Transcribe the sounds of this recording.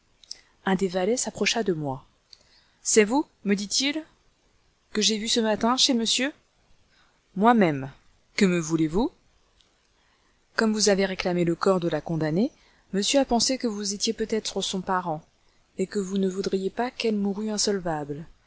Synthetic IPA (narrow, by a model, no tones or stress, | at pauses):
ɛ̃d̪evalɛsapχɔʃad̪əmwa | sɛvu | məd̪it̪il | kəʒevysəmat̪ɛ̃ʃeməsjø | mwamɛm | kəməvulevu | kɔmvuzaveʁeklameləkɔʁd̪əlakɔ̃d̪ane | məsjøapɑ̃sekəvuzet̪jepøt̪ɛt̪χəsɔ̃paʁɑ̃ | ekəvunəvud̪ʁijepakɛlmuʁyɛ̃sɔlvabl